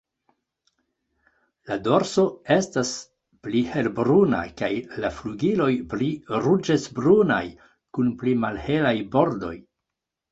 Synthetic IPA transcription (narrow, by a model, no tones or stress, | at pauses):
lado̞ɾso̞e̞stas | plihe̞lbɾuna̰kajlafluɡilo̞jpliɾud͡ʒesbɾuna̰j | kunplimalhe̞lajbo̞ɾdo̞̰j